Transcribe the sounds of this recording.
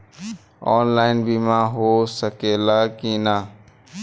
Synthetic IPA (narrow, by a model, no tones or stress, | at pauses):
ɔːnlaːɪnbʱiːmãːɦoːsəkeːlaːkiːnaː